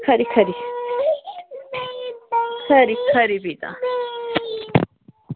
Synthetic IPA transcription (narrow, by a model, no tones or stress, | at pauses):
kʰɐɾikʰɐɾi | kʰɐɾikʰɐɾibit̪ʼɐ̰